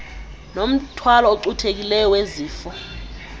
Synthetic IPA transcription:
nom̩tʰwalɔoǃutʰek̬ilɛjɔweziːfɔ

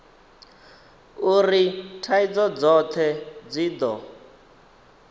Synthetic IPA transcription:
uɾitʰaid͡zɔd͡zɔt̪ʰɛd͡ziːd̪ɔ

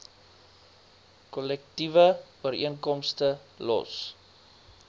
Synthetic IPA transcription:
kɔlɛk̚tivəuəɾiənkɔmstə | lɔ̰s

